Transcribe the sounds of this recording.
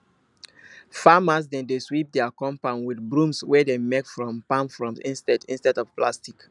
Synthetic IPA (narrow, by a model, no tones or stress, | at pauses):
famas̬dɛ̃ndeswip̚dɛakɔ̃mpãnwidbɹũmswɛdemekfɹɔ̃mpãmfɹɔ̃msḭ̃nstɛdĩnstɛdɔvplastik